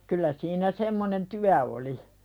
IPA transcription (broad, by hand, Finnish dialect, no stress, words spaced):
kylːæ siːnæ semːonen tyæ oli